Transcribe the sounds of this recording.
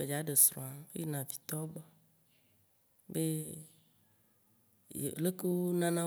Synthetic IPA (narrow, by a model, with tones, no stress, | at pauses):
e˨d͡ʒa˨˦ɖe˨sɾɔ̰̃˨a˨˦fḛ˦je˦nã˨vi̥˨t̪ɔ˦ɡ͡bɔ˦ | be˦˨ | le˦ku˦nã˦nã˦